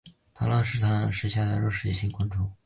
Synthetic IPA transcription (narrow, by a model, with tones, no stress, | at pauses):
t̪ʰa˥la˥˧nʂɻ̩˥˩t̪ʰa˥nə˧˩ʂ̩˥ɕja˥˩d̪ə˧˨˩ɻo˥˩ʂɻ̩˥˩i˥˩ɕi˧˥ŋkwa˥nʈ͡ʂʊ˥ŋ